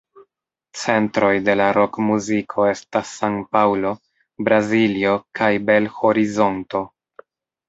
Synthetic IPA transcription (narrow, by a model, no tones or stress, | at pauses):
t͡se̞ntɾo̞jde̞laɾo̞kmuzikʰo̞e̞stasːaŋpawlo̞ | bɾazilio̞kʰajbe̞lho̞ɾizo̞nto̞